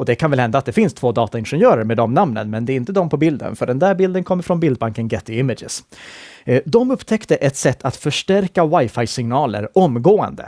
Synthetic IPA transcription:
ɔd̪ɛkʰanvɛlhɛnd̪aːt̪̚d̪ɛfɪnst̪ʰvoːd̪ɑːt̪aɪnɧɛnjœːɾəɾmeːd̪ɔmnamnə̰nmɛnd̪ɛːɾɪnt̪əd̪ɔmpʰɔbɪld̪ə̰nfœɖɛnd̪æːɾbɪld̪ənkʰɔmːəɾfɾɔnbɪld̪̚baŋkənɡɛt̪ːɪɪmɪd̪d͡ʒɪ̰s | d̪ɔmɵpːt̪ʰɛkt̪əʔɛt̪sɛt̪ʰːat̪fœʂʈæɾkawajfajsɪŋnɑːlə̰ɾɔmɡoːə̰nd̪ə̰

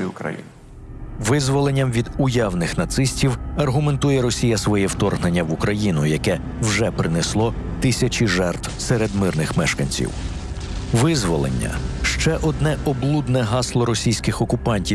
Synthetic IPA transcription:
ʊkɾɐ̰jḭn | ʋɪzʋɔlˠe̞nʲːɐmʋʲid̪ʊjawnɪxnɐt̪sɪsʲtʲiwɐrɦʊme̞nt̪ujɛɾɔsʲijɐsʋɔjɛwt̪ɔrɦnenʲːɐʋukɾɐjinʊjɐkɛ | wʒɛpɾɪneslˠɔ | t̪ɪsʲɐt͡ʃʲiʒɛrt̪wseɾed̪mɪrnɪxmɛʃkɐnʲt͡sʲḭw | ʋɪzʋɔlˠḛnʲːɐ̰ʃt͡ʃɛʔɔd̪nɛʔɔblˠud̪nɛɦɑslˠɔɾɔsʲijsʲkɪxɔkʊpɑnʲtʲi

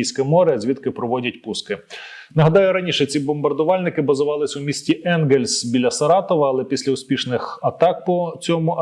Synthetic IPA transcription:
ijsʲkɐmɔɾeɐzʲʋʲid̪t̪kɪpɾɔʋɔdʲɐtʲpuskɪ | nɐɦɐd̪ɑjʊɾɐnʲiʃɛt͡sʲibɔmbɐrd̪ʊʋɑlʲnɪkɪbɐzʊʋɑlˠɪsʲʊmʲisʲtʲiʔɛnɡelʲsʲbʲilʲːɐsɐɾɑt̪ɔʋɐːlˠɛpʲisʲlʲɐʊsʲpʲiʃnɪxɐt̪ɑk̚pɔt͡sʲɔmʊ

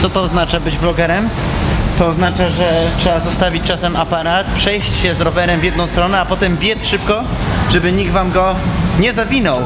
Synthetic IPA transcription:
t̪sɔt̪ɔːznat͡ʂabɘd͡ʑblɔɡɛɾɛmt̪ɔːznat͡ʂaʐɛtʂɛbazɔst̪avʲit͡ɕt͡ʂasɛmapaɾat̪̚pʂɛjɕt͡ɕɕɛzɾɔvɛɾɛmvʲjɛd̪nɔ̃w̃st̪ɾɔnɛapɔt̪ɛmbʲjɛt̪ʂɘp̚kɔʐɛbɘɲiɡ̪̚vamɡɔɲɛzavʲinɔw

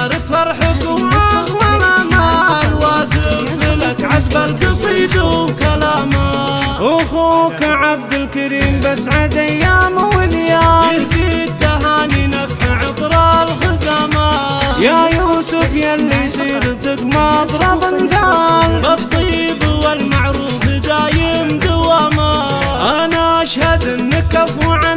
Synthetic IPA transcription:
ɾɪt̪fɑɾˤħʊkwakmalaːmaalwaːzɪfɪlakʕabalkɨsˤiːd̪ukalaːmaʊxukaʕab̚d̪ɪlkaɾiːmbasʕad̪ajːaːmwɪljaːɪd̪it̪ːaɦaːninakaʕɪq̪ɾɑlɣɪzaːma | jajuːsʊfjalːijsˤiːɾt̪ɪkmɑt̪ˤɾˤɑbɪnd̪albɑt̪ˤːiːbwalmaʕɾuːfd̪aːjɪmd̪ʊwaːma | ʔanaʔaʃhad̪ɪnːɪkːafuʕa

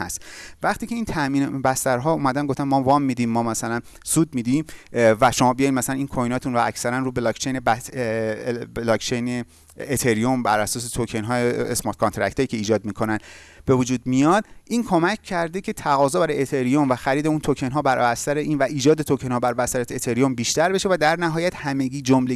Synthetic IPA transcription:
hæ̰st̪væχt̪iːcʰe̞iːnt̪ʰæʔmiːnbæst̪æɾɦɒːumæd̪ænɡoft̪ænmɒːvɒːmːiːd̪iːmːɒːmæsælænsuːd̪̚miːd̪imvæʃo̞mɒːbijɒjd̪mæsælæniːnkʰojnɒːt̪ʰunɾoæcsæɾænruːbelɒkt͡ʃʰejnebæ | lɒːkt͡ʃʰejne | et̪ʰe̞ɾijombæɾæsɒːs̬et̪ʰocʰenɦɒːjeesmɑɾt̪̚ʰkʰont̪ʰɾæ̰ct̪ɒːjiːcʰe̞iːd͡ʒɒːd̪mikʰo̞nænb̥e̞vod͡ʒuːd̪̚mijɒːd̪̥̚ʔiːnkʰo̞mæcʰcːæɾd̪ecʰe̞t̪ʰæɣɒːzɒːbæɾɒjet̪ʰe̞ɾijomvæxæɾiːd̪eunt̪ʰocʰe̞nɦɒːbæɾæst̪æɾeʔiːnvæʔiːd͡ʒɒːd̪e̞t̪ʰokʰenhɒːbæɾvæsæɾæt̪et̪ʰeɾijombiːʃt̪æɾbe̞ʃevæd̪æɾnæɦɒːjæt̪hæme̞ɡiːd͡ʒomle

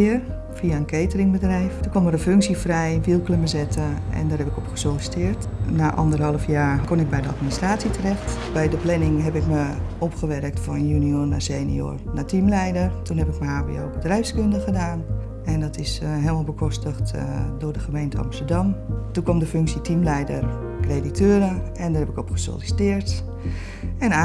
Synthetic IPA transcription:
ɪər | fiaənkʰejtərɪŋbədrɛjftukʋɔməɾənføŋksifrɛjʋilˠkləməzɛtəɛ̰ndaːrɦɛpɪkɔpχə̥solɪstɪərtnaːʔɔ̰ndərɦɑlˠəfjaːkonɪk̚bɛjdəa̰tministraːtsitərɛxtbɛjdəplɛnɪŋɦɛpɪkməɔpχəʋɛrək̚tfɔnnjyniornaseːnḭo̰rnatimlɛjdərtunɦɛpɪkməhaːbḭo̰ːbədrɛjfskɵndəχədaːn | ɛndɔtɪsɦeːlˠmalˠbəkʰɔstəχtdʊːɹdəχəmejntəɑ̰mstəɹdɑmtukʋɔmdəfʏŋksitʰimlɛjdər | kreditøːɾə | ɛndarɦɛpɪkɔpχə̥so̰lisi̥tɪːɹt | ɛna

